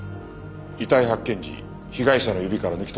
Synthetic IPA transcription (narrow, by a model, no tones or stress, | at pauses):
it̪aiɦakːẽ̞ɲ̟d͡ʑḭ | çiɡaiɕanojɯ̟bʲikaɾanɯ̟kʲit̪o